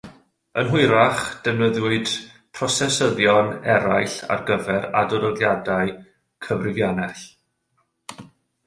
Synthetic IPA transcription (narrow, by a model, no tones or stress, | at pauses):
ənɦʊɨɾaχd̥ɛvnəðwɪɨd̥ | pʰrɔsɛsəðjɔnɛɾajɬa̰rɡəvɛɾadɔɾəðjadaɨ | kʰəvrɪvjanɛɬ